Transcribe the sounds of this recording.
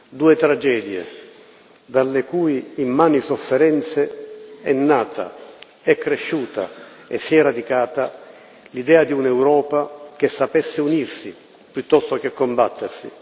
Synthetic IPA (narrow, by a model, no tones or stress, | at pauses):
d̪uːet̪ɾad͡ʒɛːd̪jḛ | d̪alːekuːiːmːaːnisofːɛɾɛnt̪seɛnːaːt̪a̰ | ɛkːɾeʃːuːt̪a̰ɛsːiɛrad̪ikaːt̪a | lid̪ɛːad̪iunɛwɾɔːpak̟esːapɛsːeunirsi | pjut̪ːɔst̪ok̟ekːombat̪ːersḭ